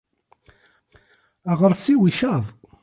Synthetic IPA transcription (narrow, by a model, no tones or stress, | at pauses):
əʁəɾsiwiʃæðˤ